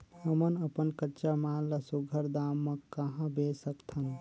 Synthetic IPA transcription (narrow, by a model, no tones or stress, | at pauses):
həmənəpənkət͡ʃamaləsuɡʱəɾd̪amːəkːəɦãbesəkt̪ʰən